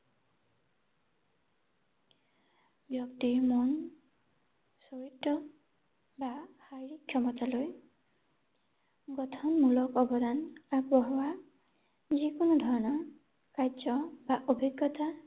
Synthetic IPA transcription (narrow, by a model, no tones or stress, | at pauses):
bjɔkt̪imɔn | soɹitːɔ | bahajɹikʰːjɔmɔtaloj | ɡɔtʰɔnmulɔkɔbɔdanaɡbɔɦɔwa | zikonud̪ʱɔɹɔnɔ | kad͡ʒɔbaʔobʱiɡːɔt̪a